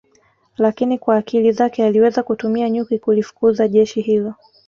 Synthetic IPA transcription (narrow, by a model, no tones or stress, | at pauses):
lakinikwaːkilizakɛaliwɛzakutumiaɲukikulifu̥kuzaʄɛʃihilɔ